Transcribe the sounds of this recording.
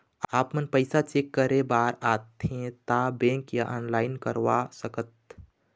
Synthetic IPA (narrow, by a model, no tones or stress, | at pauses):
aːpmənpəɪsat͡ʃeːkːəɾebaːɾaːt̪ɦẽt̪abẽːŋkjaʔɔːnlaːɪnkə̰ɾʋasəkət̪̚